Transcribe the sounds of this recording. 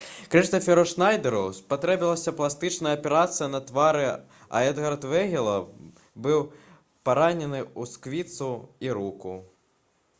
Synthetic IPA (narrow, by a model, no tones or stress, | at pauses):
kɾiʂt̪ɔfʲɛɾɐʂnajd̪ɛɾuspat̪ɾɛbʲilˠɐsʲɐplˠast̪ɨt͡ʂnɐjɐpʲɛɾat̪sɨjɐnɐt̪vaɾɨ | a̰ɛd̪ɣɐrt̪vɛɣʲɛlˠɐ | bɨw | paɾanʲɛnɨuskvʲit̪suiɾuku